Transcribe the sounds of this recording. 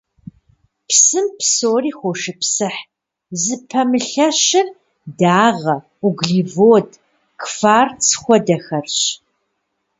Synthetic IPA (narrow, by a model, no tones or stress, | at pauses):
psɨmpsoːriːxʷoʃɨpsɨħ | zɨpʰɐmɨɬɐʃɐr | daːʁɐ | uɡɮiːvoːd | kʰfaːrt͡sʰxʷɔdɐxɐrɕ